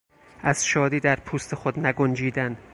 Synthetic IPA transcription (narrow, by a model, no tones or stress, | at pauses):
ʔæz̥ʃɒːd̪iːd̪æɾpʰuːst̪ʰexod̪næɡond͡ʒiːd̪æn